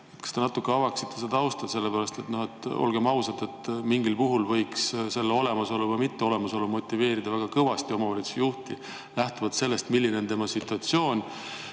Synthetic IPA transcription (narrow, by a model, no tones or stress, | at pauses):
et̪kɑ̥st̪e̞nɑt̪ːˑukːˑeɑvɑksi̥t̪ːe̞sed̪ɑɑwst̪ɑd̪se̞lːepæɾɑst̪e̞t̪no̞he̞t̪ːˑo̞̰lɡ̥e̞mɑusɑt̪e̞t̪miŋɡilpuɦulvɤ̞jksse̞lːeo̞le̞mɑso̞lːuvɤjmit̪ːe̞o̞le̞mɑso̞lːumo̞t̪ʲːˑive̞ːɾid̪̥ɑvæɡ̥ɑkɤvɑst̪io̞mɑvɑlit̪su̥juht̪i | læht̪uvɑt̪se̞lːe̞st̪milːineont̪e̞mɑsit̪ːˑuɑt̪sjo̞ːnʲ